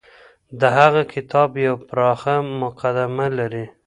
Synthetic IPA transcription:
d̪əɦaɣakʰɪt̪ɑbjawpɾɑxamʊqad̪amalaɾi

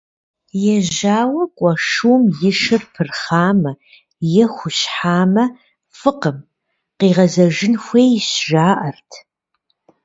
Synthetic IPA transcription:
jɛʒaːwɐkʷʼɔʂuwmjɪʂɨrpʰɨrχaːmɐ | jɛxʷʊɕħaːmɐ | fɨqəm | qiːʁɐzɐʒɪnxʷeːjɕʒaːʔɐrtʰ

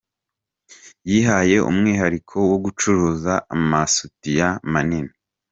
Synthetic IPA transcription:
jiːɦaje̞ʔṵmŋiːɦaɾikʰo̞woɡut͡ʃuɾuːzaamasutijamanini

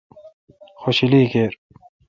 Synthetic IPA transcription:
xoɕiliːkeːɾ

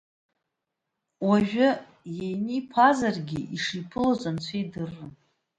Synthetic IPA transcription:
waʒᶣʊ | jejnipʰazarɡʲɪʔiʂipʰɨlozʼant͡ɕʷʰejdɨrːɨ

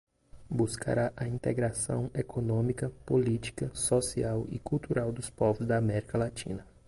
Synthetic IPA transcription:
buskʰa̰ɾaʔɐĩt̪eɡɾasɐ̰̃w̃ekʰonõmikɐpolit͡ʃi̥kɐsosiawɪ̰kuwt̪uɾawd̪ʊspɔvʊzd̪ɐːmɛɾikɐlatḭ̃nɐ

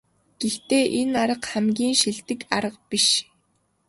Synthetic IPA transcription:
ɡ̥ext̪eːʔenaɾə̆qχæmɡʲiːnʃiɮt̪ɘ̆kaɾə̆q̚piʃ

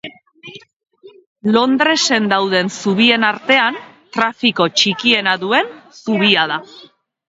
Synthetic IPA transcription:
lo̞nd̪ɾe̞se̞nd̪awðe̞nsuβie̞naɾt̪e̞ant̪ɾafiko̞t͡ʃikie̞naðue̞nsuβiað̞a

